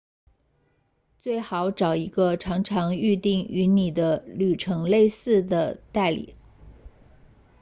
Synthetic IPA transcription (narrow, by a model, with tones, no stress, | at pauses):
t͡swe˥˩ɪxɑ˨˧˥ʊʈ͡ʂɑ˨˩ʊi˧˥ɡə˧ʈ͡ʂʰɑ˧˥ŋʈ͡ʂʰɑ˧˥ŋy˥˧t̪i˥˩ŋy˧˥ni˨˩d̪ə˦ly˨˩ʈ͡ʂʰɤ˧˥ŋle˥˧ɪsɹ̩˥˩d̪ə˩t̪a˥˩ɪlḭ˨˩˦